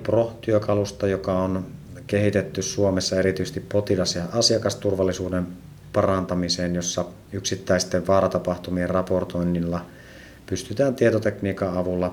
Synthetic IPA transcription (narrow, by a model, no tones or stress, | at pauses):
proht̪yøkɑlust̪ɑjokɑon | kehit̪et̪ːyssuomesːɑeɾit̪yːst̪ippot̪ilɑsjɑʔɑsiɑkɑst̪urʋɑlːisuːden | pɑrɑnt̪ɑmiseːnjosːɑ | yksit̪ːæist̪eʋʋɑːɾɑt̪ɑpɑht̪umierrɑport̪oinːilːɑ | pyst̪yt̪æːnt̪iet̪ot̪ekniːkɑɑʋulːɑ